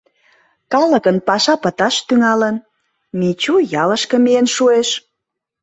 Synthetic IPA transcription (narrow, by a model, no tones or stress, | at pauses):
kɑləkənpɑʃɑpə̆t̪ɑʃt̪yŋɑlən | mit͡ɕujɑləʃkə̆mienʃueʃ